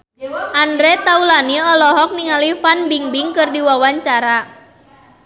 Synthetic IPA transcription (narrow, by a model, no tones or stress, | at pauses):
ʔandɾɛt̪aulaniɔlɔɦɔk̚niŋalifanbiŋbiŋkɨrdiwawaɲt͡ʃaɾa